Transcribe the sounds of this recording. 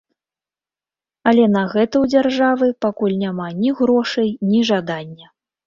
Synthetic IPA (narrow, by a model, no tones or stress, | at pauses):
ɐlʲɛnɐɣɛt̪ɐwd͡zʲarʐavɨpakulʲnʲamanʲiɣɾɔʂɐjnʲiʐad̪anʲːɐ